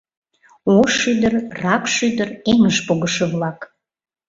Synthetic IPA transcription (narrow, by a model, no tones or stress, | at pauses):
oʃyd̪ərrɑkʃyd̪əreŋəʃpoɣəʃeβlɑk